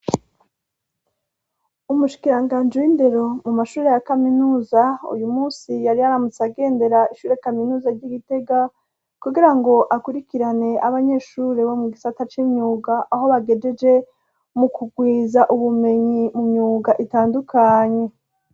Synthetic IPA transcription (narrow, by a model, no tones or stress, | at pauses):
umuʃi̥kiɾaŋɡaːnd͡ʒewinde̞ɾo̞mumaʃuːɾejakaminuːzaṵjumuːsijaɾiaɾamut͡saɡe̞ːnde̞ɾaiʃuːɾeakaminuːzaɾɟiɡite̞ɡa | kuɡiɾaŋɡo̞ʔakuɾikiɾane̞aβaɲe̞ːʃuːɾeβo̞muɡisatat͡ʃiːmɲuːɡaʔaɦo̞βaɡe̞d͡ʒe̞d͡ʒe̞ | mukuɡwiːzaʔuβume̞ɲimumɲuːɡaʔitaːndukʰaːɲe̞